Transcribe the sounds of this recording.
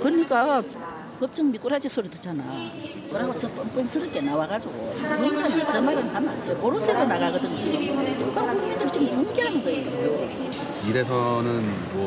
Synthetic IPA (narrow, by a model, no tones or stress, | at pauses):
kɯɲik͈a | pʌp̚t͡ɕ͈ɯŋmik͈uɾɦad͡ʑisʰoɾid̪ot͡ɕana̰ | kɯɾaɡot͡ɕʌp͈ʌmp͈ɯnsʰɯɾɯk͈e̞nawaɡad͡ʑoɡouɾimʌnt͡ɕʌmaɾɯnɦamandepoɾosʰeɾonaɡaɡɯd̪ɯnd͡ʑiokɯkuɡumid̪ɯɾt͡ɕɯmmoŋɡeɦanɯnɡʌe | o | iɾesʰʌnɯn